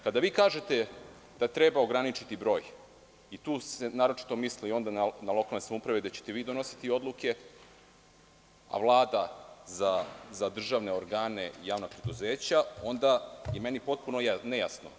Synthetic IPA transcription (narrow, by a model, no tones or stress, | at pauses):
kad̪aʋiːkaːʒe̞t̪e | d̪̥at̪ɾebao̞ɡɾanit͡ʃit̪ibɾo̞ːj | it̪uːsenaːɾo̞t͡ʃi̥t̪o̞mislio̞nd̪ananalo̞kalne̞samoupɾaʋed̪at͡ɕet̪e̞ʋiːd̪o̞no̞si̥t̪io̞d̪lˠuke̞ | a̰vlˠaːd̪azazad̪r̩ʒaʋne̞o̞ɾɡaːne̞ijaːʋnapɾe̞d̪uzeːt͡ɕao̞nd̪ajeme̞nipo̞t̪̚punojaneja̰sno̰